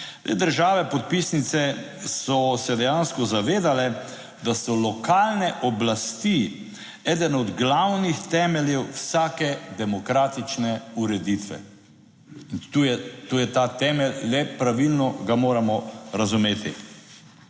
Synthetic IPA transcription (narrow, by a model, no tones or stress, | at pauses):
t̪ḛːd̪əɾʒaːʋɛpɔt̪̚pisnit̪sɛ | sɔsɛd̪ɛjanskɔzaʋeːd̪alɛ | d̪asɔlɔkaːlnɛʔɔblast̪i | ɛːd̪ənɔd̪ɡlawnixt̪ɛːmɛljɛwwsaːkɛd̪ɛmɔkɾaːt̪it͡ʃnɛuɾɛd̪it̪ʋɛ̰ | int̪ujɛt̪uːjɛt̪at̪ɛːmɛlːɛpɾaʋilnɔɡamoːɾamɔɾazumeːt̪ʰi